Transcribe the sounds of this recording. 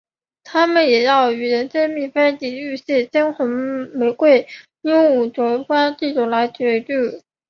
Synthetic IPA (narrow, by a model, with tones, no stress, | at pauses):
t̪ʰa˥mə˨njɛ˨˩jɑ˥˩ʊy˨˩ɻə˧˥nt͡ɕə˥mi˥˩fa˥t̪i˨˩y˥˧ɕɛ˥˩t͡ɕɛ˥nxə˧˥ŋme˧˥ɪkwe˥˩ɪ | nʊ˥ŋu˨˩ʈ͡ʂwɔ˧˥fa˥nt͡ɕ̪i˥˩ʈ͡ʂu˨˩la˧˥ɪt͡ɕɥɛ˧˥ʈ͡ʂy˥˩